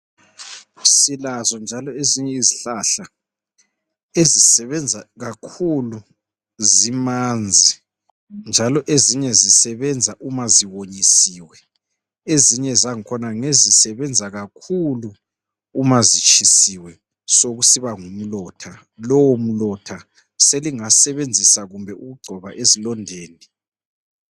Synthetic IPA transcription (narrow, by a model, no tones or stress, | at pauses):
silazɔnd͡ʒʱalɔeziɲɛiziɬaɬa | ezisɛβɛnd͡zʱaɣakʰulu | zimand͡zʱi | nd͡ʒʱalɔʔeziɲɛzisɛβɛnd͡zʱaʔumaziwoɲisiːwɛ | eziɲɛzaŋikʰɔnaŋezisɛβɛnd͡zʱaɣakʰuluː | mazit͡ʃʰʼisiwɛ | soɣusiβaŋum̩lɔtʰa | lɔwom̩lɔtʰa | seliŋasɛβend͡zʱisaɣumbʱɛʔuɣuɡ͡ǀʱɔβa̰ʔezilɔndʱeːni